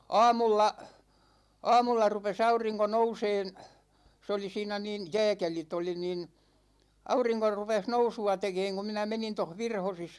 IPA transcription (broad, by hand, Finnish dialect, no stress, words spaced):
ɑːmulːɑ ɑːmulːɑ rupes ɑuriŋko nouseːn se oli siːnæ niˑn jɛːkelit oli niˑn ɑuriŋko rupeh nousuɑ tekeːŋ ku minæ menin toh ʋirhosis